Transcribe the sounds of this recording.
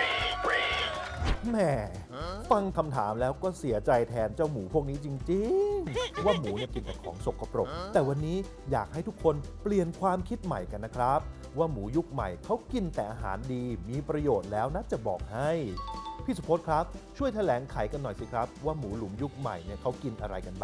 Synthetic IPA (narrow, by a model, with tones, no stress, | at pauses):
mɛ˧˩fa˧ŋkʰa˧mt̪ʰaː˩˦mlɛː˦˥wkɔː˥˩si˩˦ɐt͡ɕa˧jt̪ʰɛː˧nt͡ɕa˥˩wmuː˩˦pʰu˥˩ək̚niː˦˥t͡ɕi˧ŋt͡ɕi˧ŋwaː˥˩muː˩˦ni˥˩əki˧nt̪ɛː˨˩kʰɔː˩˦ŋso˨˩kʰːa˧pɾo˨˩t̪ɛː˨˩wa˧nːiː˦˥ | jaː˨˩k̚ɦa˥˩jt̪ʰu˦˥kʰːo˧npli˨˩ənkʰwaː˧mkʰi˦˥t̪̚ma̰˨˩jka˧nːa˦˥kʰɾa˦˥p̚ | waː˥˩muː˩˦ju˦˥k̚ma̰˨˩jkʰa˦˥wki˧nt̪ɛː˨˩ʔaː˧ɦa̰ː˩˦ndiː˧miː˧pɾa˧joː˨˩t̪̚lɛː˦˥wna˦˥t͡ɕa˨˩bɔ̰ː˨˩k̚ha˥˩jpʰiː˥˩su˧˦pʰo˦˥t̪̚kʰɾa˦˥p̚t͡ɕʰu˥˩əjt̪ʰa˧lɛː˩˦ŋkʰa˩˦jka˧nːɔ˨˩jsi˨˦kʰɾa˦˥p̚waː˥˩muː˩˦lu˨˩˦mju˦˥k̚ma̰˨˩jni˥˩kʰa˦˥wki˧nʔa˧ɾa̰˧jka˧nba˨˩